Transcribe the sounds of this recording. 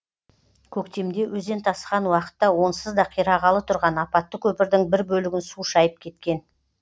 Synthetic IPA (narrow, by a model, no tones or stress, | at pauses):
kʲʰɵkt̪e̞md̪e̞wɵze̞nt̪ʰɑsqɑnwɑqə̥t̪ːɑwo̞nsəzd̪ɑqʰijɾɑʁɑlˠət̪ʰʊɾʁɑnɑpɑt̪ːəkʲʰɵpɪɾd̪ɪŋbɪɾbɵlɪɡʲɪnsuʃɑjəp̚kʲʰe̞t̪kʲe̞n